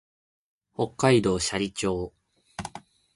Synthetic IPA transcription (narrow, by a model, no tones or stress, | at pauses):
ho̞kːaid̪o̞ːɕaɾʲit͡ɕo̞ː